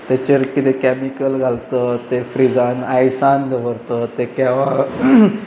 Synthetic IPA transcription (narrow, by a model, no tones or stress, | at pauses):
t̪et͡ɕəɾkit̪ekɛmikəlɡʱalt̪ət̪efɾid͡zanajsand̪əʋəɾt̪ət̪ekaʋa